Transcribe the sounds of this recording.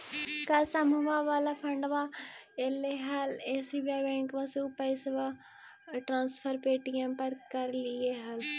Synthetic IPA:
kɐɾsɐmuʋãʋaːlapʰɐ̃ɳɖʋã | eleɦɐleːsibjabɛ̃ːŋkʋãseʊpajsʋa | ʈɾãːnspʰəɾpeːʈijə̃mpɐɾkɐɾlieɦɐl

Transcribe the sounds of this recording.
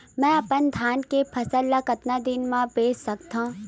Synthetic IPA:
mɛ̃ːɐpənd̪ʱjaːnkepʰɐsəlːakɐt̪nad̪ɪnmãpeːd͡ʒsɐk̚t̪ã

